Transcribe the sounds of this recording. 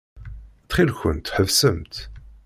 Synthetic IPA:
t͡sːχilçə̰nt̪ħəvsəmt̪

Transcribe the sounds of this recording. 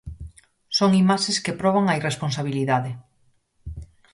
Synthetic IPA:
soŋimaʃeskepɾɔβ̞aŋɐiresponsaβ̞iliðaðe

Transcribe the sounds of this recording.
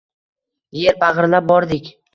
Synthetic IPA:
jeɾpʰaʁɨɾlap̚bɒɾd̪ɪkʲ

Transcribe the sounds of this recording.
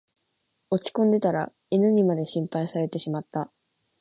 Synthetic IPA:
o̞t͡ɕi̥kõ̞nd̪e̞t̪aɾa̰ | enɯ̟ɲ̟imad̪e̞ɕĩmpaisaɾe̞t̪e̞ɕimat̪ːa

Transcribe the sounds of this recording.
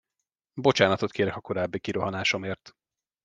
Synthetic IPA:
bo̞t͡ʃaːnɒt̪o̞t̪kʰeːɾɛkɒko̞ɾaːbːikiɾo̞ɦɒnaːʃo̞meːrt̪

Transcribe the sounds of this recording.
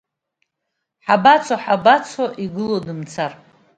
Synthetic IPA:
ħabat͡sʰaħabat͡sʰaʔiɡɨlodɨmt͡sʰar

